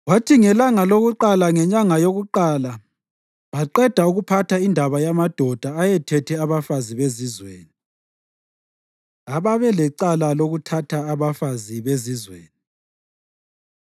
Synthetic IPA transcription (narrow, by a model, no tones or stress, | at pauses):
ɣwatʰiŋɛlaŋaloɣuǃalaŋɛɲaŋajoɣuǃaːla | βaǃɛd̥ʱauɣupʰatʰaindʱaβajamad̥ʱɔd̥ʱaajɛtʰɛtʰɛaβafaziβezizwḛːni | aβaβɛlɛǃalaloɣutʰatʰaːβafaziβezizwḛːni